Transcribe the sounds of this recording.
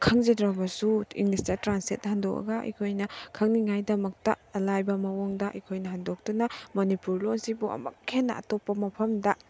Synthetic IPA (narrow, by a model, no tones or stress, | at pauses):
kʰɐŋzedɾabɐsuḭŋlistatɾansit̚handok̚ɐ̰ɡɐḭkʰojnɐkʰɐŋniŋajdɐmɐk̚tɐ̰ɐlajbɐmɐwoŋdɐʔḭkʰojnɐɦandok̚tunɐmonipuɾlonsibuʔɐ̰mɐ̰kʰːenːɐ̰a̰topːɐmɐpʰɐmdɐ